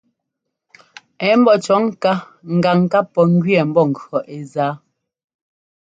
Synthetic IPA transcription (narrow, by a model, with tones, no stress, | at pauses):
ɛ˨˦m̩˦bɔ˦t͡ʃɔ˨˦ŋ˦ka˦ | ŋ̩˨ɡa˨ŋ˨ka˦pːɔ˨ŋ˦ɡɥi˦ɛ˨m̩˦bɔ˦˨ŋ̩˨ɰɔ˨ʔe˨zaː˨˦